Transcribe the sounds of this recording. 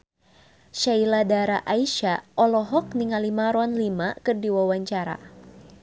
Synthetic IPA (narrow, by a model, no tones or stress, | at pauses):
ʃailadaɾaʔaiʃaɔlɔɦɔk̚niŋalimaɾwanlimakɨrdiwawaɲt͡ʃaɾa̰